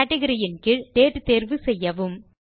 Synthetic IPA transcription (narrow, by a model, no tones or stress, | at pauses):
ɐʈːɐɣɐɾɪjɪnkɪɭt̪eːʈːɯt̪eːɾʋɯsɛjːɐʋɯm